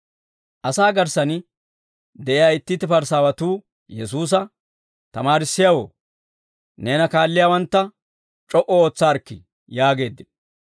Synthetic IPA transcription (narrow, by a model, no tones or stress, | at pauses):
ʔɐsaːɡɐɾsɐn | d̪ɛʔɪjaːɪt̪ːɪt̪ːɪpɐɾsaːwɐt̪uː | jɛs̬uːs̬ɐ | t̪ɐmaːɾɪsːɪjawo̰ː | neːnɐkaːlːɪjaːwɐnt̪ːɐ | t͡ʃʼɔʔɔoːt͡sːaːɾkːɪ̰ | jaːɡe̞ːd̪ːɪn